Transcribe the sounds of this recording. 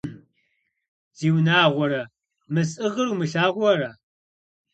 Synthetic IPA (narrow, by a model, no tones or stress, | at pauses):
z̥iːwnaːʁʷɔɾɐ | mɨsʼɨʁəɾumɨɬaːʁʷɔɾɐ